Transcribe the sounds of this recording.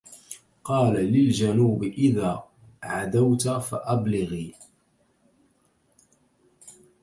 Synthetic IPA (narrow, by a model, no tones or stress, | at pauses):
qɑːlalɪld͡ʒanuːbɪʔɪðaː | ʕad̪awt̪faʔablɪɣiː